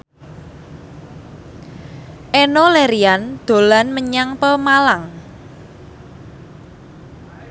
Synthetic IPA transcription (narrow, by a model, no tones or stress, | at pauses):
ʔenoleɾiand̪̥o̤lanməɲaŋpəmalaŋ